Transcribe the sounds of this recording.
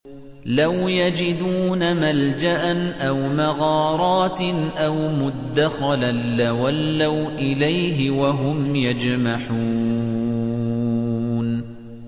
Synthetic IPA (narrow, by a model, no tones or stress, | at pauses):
lawjad͡ʒɪd̪uːnamald͡ʒaʔanʔawmaɣɑːɾˤɑːt̪ʔawmʊd̪ːaxɑlanlawalːawʔɪlajɦɪwaɦʊmjad͡ʒmaħuː | n